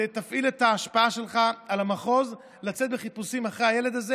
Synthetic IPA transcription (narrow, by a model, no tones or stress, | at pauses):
et̪afʔiletaːʃpaaʃe̞lχaalamaχo̞z | lat͡set̪̚beχipusimaχʁe̞ajele̞d̪aze